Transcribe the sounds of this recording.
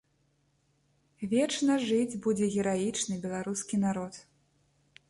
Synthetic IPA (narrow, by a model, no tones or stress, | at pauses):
vʲɛt͡ʂnɐʐɨd͡zʲbud͡zʲɛɣʲɛɾajit͡ʂnɨbʲɛlˠaɾuskʲinaɾɔt̪